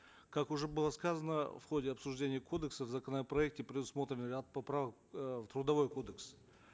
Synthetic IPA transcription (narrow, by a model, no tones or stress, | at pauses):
kakʊʐɛbɨlˠəskazənəfχo̞dʲɪɐpsʊʐdʲenʲɪjəkʰo̞d̪əksəvzɐkənəpɾɐɛk̚tʲɪpɾʲɪd̪ʊsmo̞t̪ɾʲɪnɨrʲat̪̚pɐpɾavək | t̪ɾʊd̪ɐvo̞jko̞d̪əks